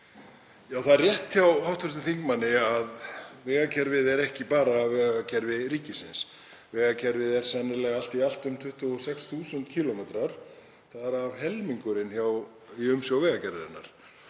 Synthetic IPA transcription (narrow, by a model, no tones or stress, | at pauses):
jaːwθaðrjɛht̪çjawhawht̪vʏɾst̪ʏθiŋkmanːɪaðvɛːɣacʰɛɾvɪðɛɾɛhcɪpaːɾaːvvɛːɣaɣacʰɛɾvɪɾiːcɪsɪns | vɛːɣacʰɛɾvɪðɛɾ̥sɛnːɪɾlɛɣal̥t̪ial̥t̪ʏmt̪ʰʏht̪ʏɔsɛksθuːsʏnt̪cʰiːlɔmɛːt̪ɾaɾ̥ | θaðɾavhɛlmiŋkʏɾɪnçjaw | iʏmsjawvɛːɣacʰɛɾvɪðɪnːa̰ɾ̥